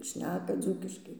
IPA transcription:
ˈʃʲnʲæːkɐ ˈd͡zuːkʲɪʃkɐɪ

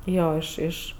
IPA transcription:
ˈjoː ˈɪʃ ˈɪʃ

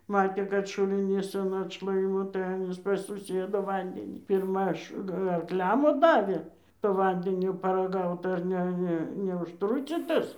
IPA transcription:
ˈmɑːtʲeː ˈkɐt ʃʊlʲɪˈnʲiːs ɐn ɐtʃˈlˠɐɪmoː tɐɪ ˈɑːnʲiːs pɐs sʊˈsʲiɛdʊ ˈʋɐnʲdʲɛnʲiː pʲɪrˈmɐ ɐʃ ɐrkˈlʲɛm ˈʋɐ ˈdɑːʋʲeː toː ˈʋɐnʲdʲɛnʲoː pɐrɐˈɡɐʊt ɐr ˈnʲɛ ˈnʲɛ nʲɛʊʃˈtrʊt͡sʲiːtɐs

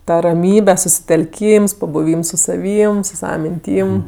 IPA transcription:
ˈtɐ rɐˈmʲiːbʲɛ sʊsʲɪtʲɛlʲˈkʲiːms pɐbʊˈʋʲiːms sʊ sɐˈʋʲiːm sʊ ˈsɑːʋɐ mʲɪnʲˈtʲiːm

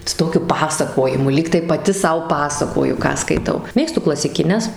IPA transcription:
sʊ ˈtoːkʲʊ ˈpɑːsɐkoːjɪmʊ ˈlʲiːktɐɪ pɐˈtʲɪ ˈsɐʊ ˈpɑːsɐkoːjʊ ˈkɑː skɐɪˈtɐʊ ˈmʲeːkstʊ klˠɐsʲɪkʲɪˈnʲɛs

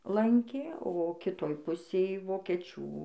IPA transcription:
ˈlˠɐŋʲkʲeː oː kʲɪˈtoːj ˈpʊsʲeːj ʋoːkʲɛˈt͡ʃʲuː

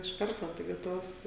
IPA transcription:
ɪʃ ˈkɐrtoː tɐɪˈɡʲɪ ˈtoːs

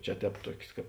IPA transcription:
ˈt͡ʃʲɛ ˈtʲɛːp ˈtuɔkʲsʲ ˈkɑːp

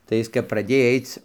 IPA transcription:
tɐɪ ˈjɪs kɐp prɐˈdʲeːj ˈɐɪt͡s

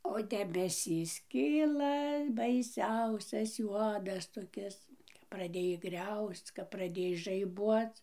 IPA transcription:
oː dʲɛbʲɛˈsʲiːs ˈkʲiːlˠɐ bɐɪˈsʲɛʊsʲɛs ˈjuɔdɐs toːˈkʲɪs prɐˈdʲeːj ˈɡrʲɛʊst͡s kɐp prɐˈdʲeːj ʒɐɪˈbuɔt͡s

